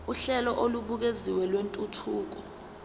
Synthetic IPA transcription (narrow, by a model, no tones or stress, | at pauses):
uɬɛlɔʔoluɓuk̬eziwɛlwentʼutʰuːk̬ɔ